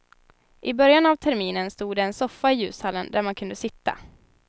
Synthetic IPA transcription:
ʔɪbœɾjanavt̪ʰɛɾmiːnənst̪uːd̪ɛɛnsɔfːaɪjʉ̟ːshalːənd̪æɾmankʰɵnd̪əsɪt̪ːa̰

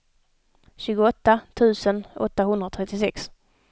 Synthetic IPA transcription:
ɕʉ̟ːɡʊɔt̪ːat̪ʰʉ̟ːsənɔ̰t̪ːaɦɵnd̪ɾat̪ʰɾɛt̪ːɪsɛks

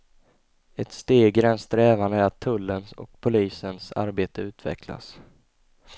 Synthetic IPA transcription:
ɛt̪st̪eːɡɾɛnst̪ɾɛːvand̪əæɾat̪ʰːɵlːənsɔ̰k̚pʰʊliːsənsa̰ɾbeːt̪əʉ̟ːt̪ʰvɛ̰kʰla̰s

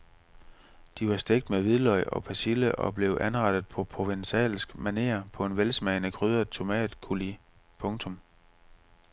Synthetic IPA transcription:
d̥iʋɑ̈sd̥eɡ̥̚d̥meʋiðˠlɒ̽ɪɒ̽pʰæsiləʔɒ̽b̥le̝ʊʔænʁɑd̥ð̩ˠpʰɒ̽pʰʁo̝ʋensɛ̰ːlsɡ̥mæne̝̰ːɐpʰɒ̽e̝nʋelsmɛɪnəkʰʁyð̞ˠɐt͡sʰo̝mɛ̰ːd̥ˠkʰuli | pʰɔ̽ŋt͡sʰɔ̽m

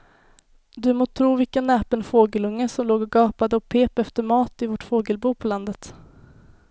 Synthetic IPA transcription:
d̪ɵmoːt̪ʰɾuːvɪkənːɛːpənfoːɡəlɵŋːəsɔmloːɡɔɡɑːpad̪əɔpʰeːpɛft̪əɾmɑːt̪ɪvɔʈfoːɡəlbuːpʰɔland̪ət̪

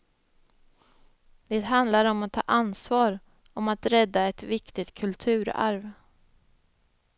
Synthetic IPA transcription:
d̪̥eːt̪ɦand̪laɾɔmat̪ʰːɑ̰ːʔansvɑːɾ | ɔmat̪ɾɛd̪ːaɛt̪vɪkt̪ɪt̪kʰɵlt̪ʰʉ̟ːɾa̰ɾv

